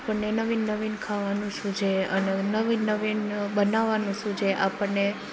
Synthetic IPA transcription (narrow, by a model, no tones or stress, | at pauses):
apəɳnenəʋinːəʋinkʰaʋanũʃʰũd͡ʒʰeənenəʋinːəʋinbənaʋanũt͡ʃʰũd͡ʒʰeʔapəɳːe